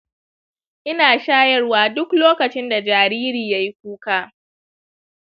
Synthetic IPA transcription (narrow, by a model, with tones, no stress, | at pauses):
ʔɪ˦naː˨ʃaː˦jɐ˦rwaː˦dʊ˦kloː˦kɐ˨t͡ʃɪ˦nda˨d͡ʒaː˨ɾiː˦ɾiː˨ja˦ji˦k̚ʷuː˦kaː˦˨